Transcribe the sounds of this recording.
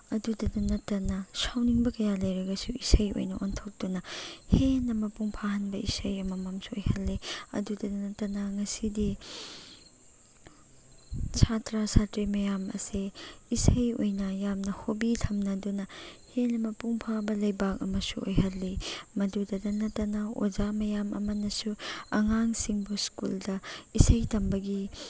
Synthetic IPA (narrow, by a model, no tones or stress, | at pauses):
ɐdudɐdunɐtːɐnɐsawniŋbɐkɐjalɐjɾɐɡɐsuisɐjo̰jnɐʔontʰok̚d̥unɐhenːɐmɐpuŋpʰahɐnbɐisɐjɐmɐmɐmsuojhɐlːiɐ̰dudɐdunɐtːɐnɐŋɐsidi | sʰatɾasatɾimɐjamɐ̰seisɐjojnɐjamnɐhobitʰɐmnɐdunɐhenɐmɐpuŋpʰabɐlɐjbak̚ɐ̰mɐsṵojhɐlːimɐdudɐdɐnɐtːɐnɐo̰zamɐjamɐ̰mɐnɐsuɐŋaŋsiŋbuskṵldɐisɐjtɐmbɐɡi